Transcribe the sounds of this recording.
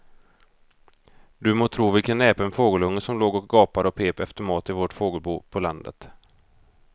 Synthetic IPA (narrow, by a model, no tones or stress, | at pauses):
d̪ɵmoːt̪ʰɾuːvɪlkʰanɛːpaɛnfoːɡəlɵŋːəsɔmloːɡɔk̚ɡɑːpad̪əɔpʰeːpɛft̪əɾmɑːt̪ɪvoːʈfoːɡəlbṵːpʰɔla̰nd̪ə̰t̪